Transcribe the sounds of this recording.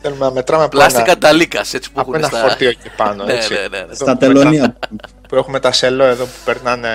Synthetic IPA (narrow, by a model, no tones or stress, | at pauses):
θelumenɐmet̪ɾɐmeplɐsnikɐt̪ɐlikɐset͡si̥puxuenɐfɐoɾt̪ioipɐnoet͡sinest̪ɐt̪eloniɐ | pue̞xumet̪ɐseloeðo̞pu̥peɾnɐne